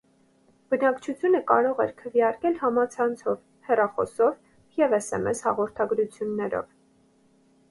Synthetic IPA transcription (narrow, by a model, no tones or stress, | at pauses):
b̥ənɑkt͡ʃʰut͡sʰjunəkɑɾɔʁɛ̰ɾkʰəvjɑɾkɛlhɑmɑt͡sʰɑnt͡sʰɔv | hɛrɑχɔ̰sɔv | jɛvɛsɛ̰mɛshɑʁɔɾt̪ʰɑɡɾut͡sʰjunːɛɾɔ̰v